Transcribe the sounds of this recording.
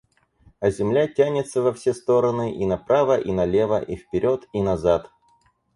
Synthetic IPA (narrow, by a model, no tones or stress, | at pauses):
ɐzʲɪmlʲatʲænʲɪt̪səvɐfsʲest̪o̞ɾənɨʔinɐpɾavəʔinɐlʲe̞və̰ʔifpʲɪɾʲo̞t̪inɐzat̪